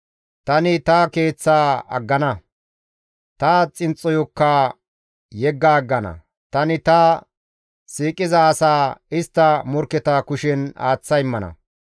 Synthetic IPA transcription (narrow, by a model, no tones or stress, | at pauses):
t̪ɐnɪt̪ɐke̞ːt͡sːaːɐ̰ɡːɐnɐ | t̪ɐt͡sʼɪnt͡sʼːɔjɔkːa | jɛɡːaːɡːɐnɐ̰ | t̪ɐnɪt̪ɐ | siːkʼɪzɐːsaːɪst̪ːɐmɔɾkːɛt̪aːkʊʃɛna̰ːt͡sːɐjɪmːɐnɐ̰